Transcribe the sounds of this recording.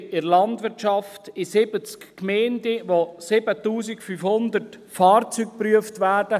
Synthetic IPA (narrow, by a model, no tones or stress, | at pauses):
ɪɾlɑndʋɪɾtʃɑftɪsɪbət͡skkmɛɪndəʋosɪbətuːsikfyfhʊnd̪ərt | fɑːrt͡syːk̚pryəftʋæːɾd̥ə